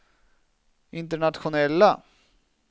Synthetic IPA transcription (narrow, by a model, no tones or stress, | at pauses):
ɪnt̪əɳat̪ɧʊnɛlːa